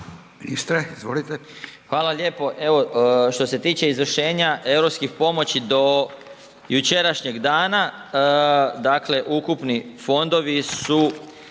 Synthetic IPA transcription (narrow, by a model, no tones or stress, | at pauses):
minist̪ɾeizʋolit̪exʋaːlaʎʲe̞ːpo̞ʔe̞ʋo̞ʃt̪o̞se̞t̪iːt͡ɕe̞izʋr̩ʃe̞ːɲaʔe̞wɾopskixpo̞mo̞t͡ɕid̪o̞ | jut͡ʃe̞ɾaʃɲe̞ɡd̪aːna | d̪akle̞ʔukupnifo̞nd̪o̞ʋisu